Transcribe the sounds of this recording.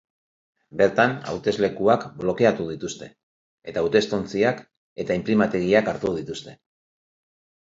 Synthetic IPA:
be̞ɾt̪ana̰wt̪e̞zle̞kuakblo̞ke̞at̪uð̞it̪ust̪e̞ː | t̪aːwt̪e̞st̪o̞nt͡siak | e̞t̪aimplimat̪e̞ɣiakaɾt̪uðit̪ust̪e̞

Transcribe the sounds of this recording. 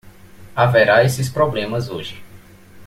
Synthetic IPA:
avɛɾaesɪspɾɔblẽmɐzoʒɪ

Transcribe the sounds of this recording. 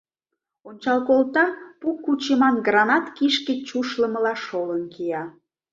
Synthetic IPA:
onʲt͡ɕɑlˠkolˠt̪ɑpukːut͡ɕəmɑnɡrɑnɑt̪kiʃkĕt͡ɕuʃləməlɑʃolənkijɑ

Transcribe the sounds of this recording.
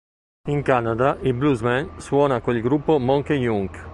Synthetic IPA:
iŋkanad̪aʔibluzmɛnswɔːnakwelɡɾupːomoŋkejuŋk

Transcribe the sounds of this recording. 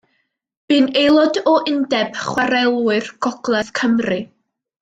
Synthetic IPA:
b̥ɨːnejlˠɔdɔʔɪndɛb̥χwaɾɛlˠwɨrɡ̥ɔɡ̥lˠɛðkʰəmrɨ

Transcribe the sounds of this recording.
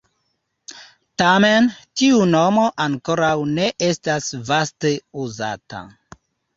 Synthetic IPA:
tame̞ntiuno̞mo̞ʔaŋko̞ɾawne̞ʔe̞stasvaste̞uza̰ta̰

